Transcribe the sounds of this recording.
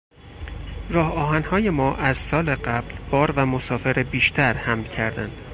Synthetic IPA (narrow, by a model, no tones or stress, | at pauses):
rɒːhɒːɦænhɒːje̞mɒːʔæzsɒːleɢæblb̥ɒːɾvæmosɒːfe̞ɾebiːʃt̪ʰæɾhæmlcʰæɾd̪ænd̪̥